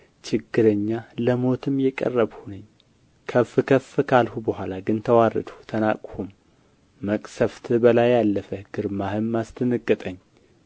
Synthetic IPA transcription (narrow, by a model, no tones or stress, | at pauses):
t͡ʃɪɡːɨɾəɲːaləmo̞t̪ʰɨmjɛkʼə̰rːəβhunəɲː | kʰəfɨkʰəfːɨkʰalhubəhʷalaɡɨnt̪ʰəwarɨ̰d̪u̥t̪ʰəna̰kʼhumː | əkʼsəft̪ʰɨbəlajalːəfəɡ̥ɨɾmahɨmːast̪ʰʼɨnɨkʼːɨt̪ʼəɲː